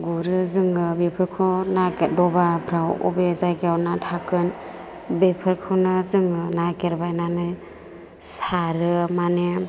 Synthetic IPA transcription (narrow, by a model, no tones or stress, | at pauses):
ɡuɾɯzɯŋɯbepʰɯɾkʰɔnaket̚dɔbapʰɾawɔ̰bezajɡawnatʰakɯn | bepʰɯɾkʰɯnazɯŋɯnakeɾbajnanɯj | saɾɯmane